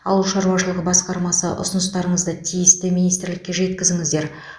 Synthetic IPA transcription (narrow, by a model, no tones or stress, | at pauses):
ɑ̰wəlˠʃɑɾuwɑʃəlˠəʁəbɑsqɑɾmɑsəʔʊ̰sʊnəst̪ɑɾəɴəzd̪ət̪ʰijɪst̪ɪmijnijst̪ɪɾlɪkʲːe̞ʒe̞t̪kʲɪzɪŋɪzd̪e̞ɾ